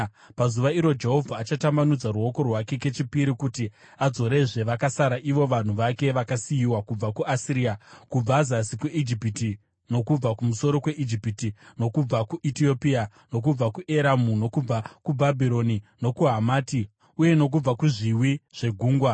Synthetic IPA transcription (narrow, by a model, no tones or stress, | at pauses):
pazuʋaiɾo̞d͡ʒe̞ɦo̞vʱaːt͡ʃatambanud͡zaruo̞ko̞rwake̞ke̞t͡ʃipiɾikuti | ad͡zo̞ɾe̞ʐe̞ʋakasaɾaʔiʋo̞ʋan̤uʋake̞ʋakasijiwakub͡vakuasiɾiakub͡vazasikuʔid͡ʒipiti | no̞kub͡vakumuso̞ɾo̞kwe̞ʔid͡ʒipitino̞kub͡vakuʔitio̞pia | no̞k̬ub͡vakuʔe̞ɾamuno̞kub͡vakubʱabʱiɾo̞nino̞kuɦamaːti | uje̞no̞k̬ub͡vakuʐiwiʐ̥e̞ɡʱuːŋɡwa